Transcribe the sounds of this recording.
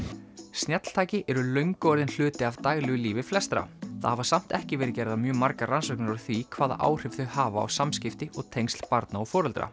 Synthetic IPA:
st̪njɛt̪l̥t̪ʰaːjcɪʔɛɾʏlœɥŋkɔɾðɪnl̥ʏːt̪ɪavt̪aːjɣlɛɣʏliːvɪflɛst̪ɾa̰θa̰havasam̥t̪ɛhcɪvɛːɾɪcɛːɾɪðamjœːmaɾkaɾansœk̚nɪɾɔɾθvikʰvaːða̰ʔa̰ːwr̥ɪvðʏhaːva̰ːwsamscɪft̪ɪʔɔɣt̪ʰejnst̪l̥paɾt̪naɔfɔːɾʏlt̪ɾa̰

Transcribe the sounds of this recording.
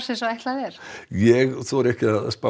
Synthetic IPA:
sɛsɔɛht̪laðɛɾ̥jɛɣθɔɾɛhcɪaðspa

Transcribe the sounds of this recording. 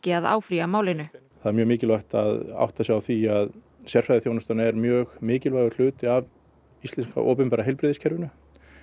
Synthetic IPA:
cɪaða̰ːwfɾiamaːwlɪnʏ | θaðɛɾmjœːɣmɪːcɪlvajht̪aða̰wht̪asjawθiað | sjɛr̥fɾajðɪθjownʏst̪anaɛɾmjœːɣmɪːcɪlvaːjɣʏɾl̥ʏːt̪ɪav | ist̪ɛnska̰ʔɔ̰ːpʏnpɛɾaɦɛjlpɾɪːðɪscʰɛɾvɪnʏ

